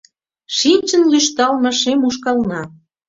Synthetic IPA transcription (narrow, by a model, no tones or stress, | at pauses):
ʃinʲt͡ɕə̆nlyʃt̪ɑlmə̆ʃemuʃ̬kɑlnɑ